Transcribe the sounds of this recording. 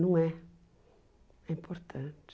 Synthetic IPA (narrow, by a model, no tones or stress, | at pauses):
noŋɛ | impʰort̪ʰant̪